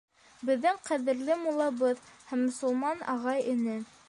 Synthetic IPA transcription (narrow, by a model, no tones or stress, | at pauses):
bɘ̆ðːɘŋqæðɘ̆ɾlɘmulˠɑβɤðhæmːŏsɵ̆lˠmɑnɑ̰ʁɑjɘ̆nɘ